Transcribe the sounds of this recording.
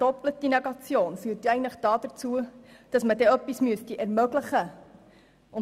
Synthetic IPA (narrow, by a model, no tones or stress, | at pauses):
dɔplət̚d̥inɛɡɑt͡sjoːnfyːtːɛɪɡən̩tləχd̥ɑːdət͡suəd̥ɑsmədɛœpːismyəstiʔærmœɡləχə | ʊn